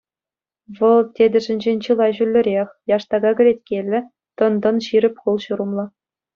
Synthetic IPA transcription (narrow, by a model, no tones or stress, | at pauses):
ʋɤ̆lˠtʲedʲɘ̆ʐɘ̆nʲd͡ʑenʲt͡ɕɯlˠɑʑylʲːɘ̆ɾʲeχʲjɑʂt̪ɑɡɑɡʲɘ̆ɾʲet̚ʲkʲelʲːɘ̆ | t̪ɤ̆nd̪ɤ̆nɕiɾʲɘ̆pʲχulˠɕuɾɤ̆mlˠɤ